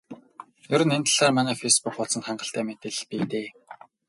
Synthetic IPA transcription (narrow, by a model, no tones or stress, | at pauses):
jɵɾɵ̆nent̪ə̆ɮaːrmanæːfejspuk̚pʊɮsə̆nχæɴɢə̆ɬt̪æːmet̪ɘ̆ɮpiːt̪eː